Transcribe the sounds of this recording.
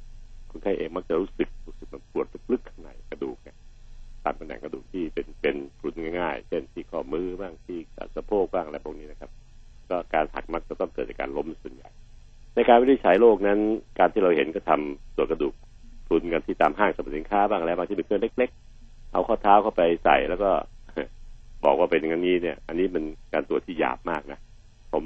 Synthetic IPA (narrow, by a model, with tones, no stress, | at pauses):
kʰu˧nk̪ʰa˧˩ʔeː˧ŋma˦˥k̚t͡ɕa˨˩ɾuː˦˥sɯ˨˩k̚ɾuː˦˥sɯ˨˩k̚ma˧˥pu˨˩ət̪̚lɯ˦˥k̚lɯ˦˥kʰːa˥˩ŋna̰˨˩˦jkɾa˧duː˨˩k̚na˧˥˩t̪aː˧mka˧nɛ̰˨˩ŋka˧duː˨˩k̚t̪ʰiː˥˩pe˧npe˧npʰu˨˦nŋaː˥˩jŋaː˥˩jt͡ɕʰe˥˩nt̪ʰiː˥˩kʰɔː˥˩mɯː˦˥baː˥˩ŋt̪ʰiː˥˩sa̰˧˩˧sa˧pʰoː˥˩k̚baː˥˩ŋʔla˧˦˩pʰbʰɔ˧˩niː˦˥na˧kʰa˦˥p̚ | kɔː˥˩kaː˧nha̰˨˩k̚ma˦˥k̚t͡ɕa˨˩t̪ɔ˥˩ŋkɤː˨˩t̪̚a˨˩ka̰ː˧nlo˦˥m˧˩su˨˩ənja̰˨˩j | na˧jkaː˧nwli˧˥t͡ɕʰa˩˦jloː˥˩k̚na˦˥nkaː˧nt̪ʰiː˥˩ɾa˧whe˩˦nkɔː˥˩t̪ʰa˧msu˨˩ətkɾa˧duː˨˩k̚ | t̪ʰu˧nka˧nt̪ʰiː˥˩t̪aː˧mɦaː˥˩ŋsa˧ba˨˩t̪̚si˨˦nkʰaː˦˥baː˥˩ŋ˧lɛː˧˦˥ba˧t̪i˥˩mɯ˧kʰːnle˦˥k̚le˦˥k̚ | ʔa̰˧wkʰɔː˥˩t̪ʰaː˦˥wkʰa˥˩wpa˧jsa̰˨˩jlɛː˦˥wkɔː˥˩a˧˩bɔ̰ː˨˩k̚waː˥˩pe˧nŋa˧˥nŋiː˦˥ni˥˩ɐʔa˧nːiː˦˥me˧nkaː˧nt̪u˨˩ət̪ʰiː˥˩ja̰ː˨˩p̚maː˥˩k̚na˦˥ | pʰo˩˦m